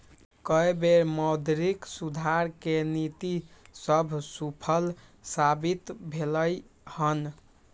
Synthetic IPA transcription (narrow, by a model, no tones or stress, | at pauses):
kəebeɾmɔd̪ɾiksud̪ʱaɾkenit̪isəbʱsupʰəlsabit̪bʱeləjhən